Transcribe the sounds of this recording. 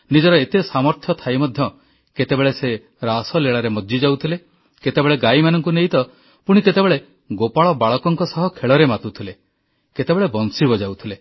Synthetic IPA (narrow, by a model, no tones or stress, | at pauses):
nid͡ʒɔɾɔet̪esamɔɾt̪ʰjɔt̪ʰajmɔd̪ʱjɔ | ket̪ebeɭese | ɾasɔleɭaɾemɔd͡ʒd͡ʒid͡ʒawt̪ʰile | ket̪ebeɭeɡajmanɔŋkuneɦit̪ɔ | puɽ̃iket̪ebeɭe | ɡopaɭɔbaɭɔkɔŋkɔsɔɦɔkʰeɭɔɾemat̪ut̪ʰile | ket̪ebeɭebɔnsibɔd͡ʒawt̪ʰile